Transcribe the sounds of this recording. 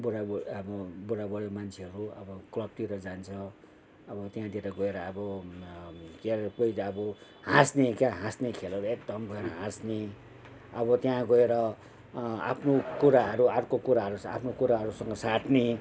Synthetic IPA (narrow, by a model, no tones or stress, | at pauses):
buɽaʌbʌbuɽabʌɽomant͡sʰeɦʌɾuʌ̰bʌklʌb̚t̪iɾʌd͡zant͡sʰʌ̃ | ʌbʌt̪jãd̪ieɾʌɡʌeɾʌʌbʌ | kepoitːbʌ | hãsnekjaɦãsnekʰelʌɾʌek̚d̪ʌmbʱʌeɾʌɦãsne | ʌbʌt̪jãɡʌeɾʌ | a̰pʰnokuɾaɦʌɾuarkokuɾaɦʌɾusa̰pʰnokuɾaɦʌɾusʌŋɡʌsaʈʰne